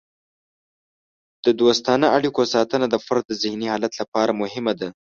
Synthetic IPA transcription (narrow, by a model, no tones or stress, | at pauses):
d̪̥əd̪ost̪ɑnaaɽikosɑt̪ənad̪əfaɾd̪̚ːəzɪhnihɑlat̪lapɑɾamʊhɪmad̪a